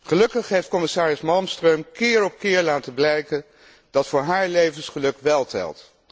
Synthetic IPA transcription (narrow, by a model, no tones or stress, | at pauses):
χəlɵkəχɦejft̚kɔmɪsaːɹəsmɑlˠmstrøɥmkɪːɹɔp̚kɪːɹlaːtəblɛjkən | d̥ɑtfʊːɹɦaːɹlejvənsχəlɵkʋɛlˠtɛ̰lˠt